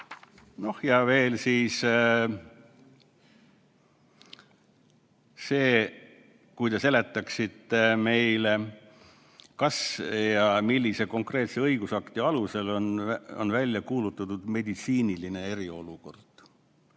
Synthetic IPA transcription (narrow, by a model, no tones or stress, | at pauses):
no̞hjɑve̞ːlsiːs | se̞ː | kujt̪ese̞le̞t̪ːˑɑksit̪ːe̞me̞jle | kɑsjɑmilʲːise̞ko̞ŋkre̞ːt̪seɤiɡusɑkt̪iɑluse̞lo̞no̰nvælʲjɑkuːlut̪ːˑɑt̪ud̪me̞d̪it̪siːniline̞e̞ɾio̞luko̞rd̪̥